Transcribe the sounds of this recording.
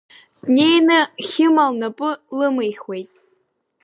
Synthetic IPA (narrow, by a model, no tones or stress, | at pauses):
dnʲejnɨχʲɪmalnapʼɨlɨmɨjχwejtʼ